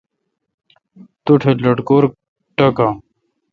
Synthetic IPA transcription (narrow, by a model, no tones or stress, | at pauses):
t̪uʈʰelɐʈkoːɾ | ʈɐka